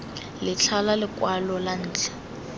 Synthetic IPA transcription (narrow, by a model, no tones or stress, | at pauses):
lɪt͡ɬʰalalɪkwalɔlan̩ːt͡ɬʰɛ̥